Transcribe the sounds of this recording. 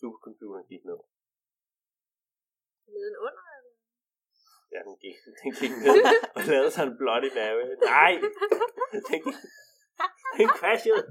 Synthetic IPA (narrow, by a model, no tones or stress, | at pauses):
sub̥ɐkʰɒ̽mpʰjuːɾ̥ɐnɡ̥id̥neðˠ | iɔn | jæd̥enɡ̥iɡ̥d̥enɡ̥iɡ̥ne̝ð̰ˠɒ̽lɛːð̩ˠsɒ̽nb̥lɒ̽ɾib̥æwenɑ̈ɪ̰ | d̥en | d̥enkʰʋæɕəðˠ